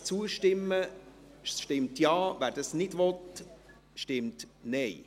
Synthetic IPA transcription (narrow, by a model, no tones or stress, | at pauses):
t͡suəʃtɪmːə | ʃtɪmtjɑːʋæːɾd̥ɑsnɪdʋɔt | ʃtɪmtnɛɪ